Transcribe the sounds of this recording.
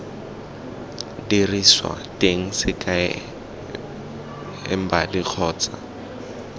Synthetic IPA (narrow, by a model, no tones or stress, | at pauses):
diriswa̰tʼeŋ̩sɪkʰʼaɛ̰ | ɪ̰m̩badik͡xʰɔːt͡sʼa̰